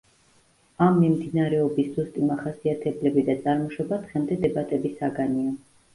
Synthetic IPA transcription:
amːimd̪inaɾɛɔbiszust̪ʼimaχasiat̪ʰɛblɛbid̪at̪sʼaɾmɔʃɔbad̪ʁɛmd̪ɛd̪ɛbat̪ʼɛbisaɡania

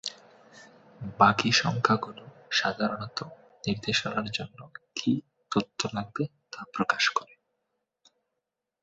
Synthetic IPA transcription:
bakiʃɔŋkʰakuloʃad̪ʱaɾonɔt̪o | niɾd̪eʃonaɾd͡ʑonːokʰi | t̪ot̪ʰːolaɡ̚be | t̪apɾokaʃkɔɾe

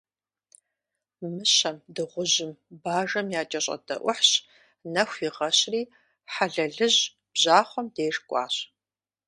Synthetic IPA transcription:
mɨɕɐmdɨʁʷʊʑɪmbaːʐɐmjaːt͡ʃʼɐɕʼɐ̰dɐ̰ʔʷʊħɕ | nɐxʷiʁɐɕriː | ħaɮɐɮɨʑ | b̥ʑaːχʷɔmdeːrkʷʼɑ̰ːɕ

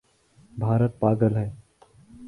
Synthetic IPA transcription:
bʱaːɾət̪̚paːɡəlɦɛː

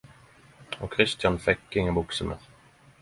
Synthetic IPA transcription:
ɔkʰːɾɪst̪janfɛkːɪŋabʊksəmʔə̰ɾ

